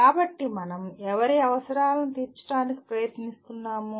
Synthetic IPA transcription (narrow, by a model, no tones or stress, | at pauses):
kaːbɐʈːimɐnɐmɛʋɐɾeɐʋɐsɐɾaːlɐnit̪iːɾt͡ʃɐ̥ʈaːniki̥pɾɐjɐt̪nist̪unːaːmu